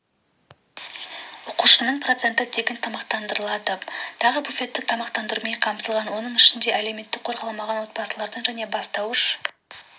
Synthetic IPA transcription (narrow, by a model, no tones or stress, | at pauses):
oquʃənəɴpʰro̞t̪se̞nt̪əd̪eɡʲent̪ʰɑmɑqt̪ɑnd̪əɾəlˠɑd̪ət̪ʰɑʁəbufʲe̞t̪ːɪt̪ʰɑmɑqt̪ɑnd̪əɾumejqʰɑmt̪əlˠʁɑnwo̞nəɴɪʃɪnd̪e̞ʔælewme̞t̪ːɪk̚qʰo̞ɾʁɑlˠɑmɑʁɑnwo̞t̪̚bɑsəlˠɑɾd̪əɴʒæne̞bɑst̪ɑwəʃ